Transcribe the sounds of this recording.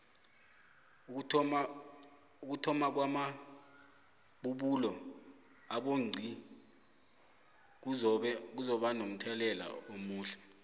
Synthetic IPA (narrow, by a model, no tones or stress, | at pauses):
uk̬utʰɔmak̬wama | ɓuɓulɔ | aɓoŋ͡ǀʱi | k̬uzɔɓanom̩tʰɛlɛla̰omuːɬɛ